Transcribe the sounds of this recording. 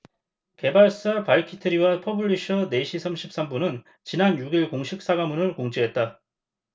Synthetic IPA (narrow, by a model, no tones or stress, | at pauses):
ke̞baɭs͈apaɭkʰitʰɯɾiwapʰʌbɯʎːiɕʰʌne̞ɕʰisʰamɕʰip̚s͈ambunɯn | t͡ɕinanjuɡiɭkoŋɕʰik̚s͈aɡamunɯɭkoŋd͡ʑiɦe̞t̚t͈a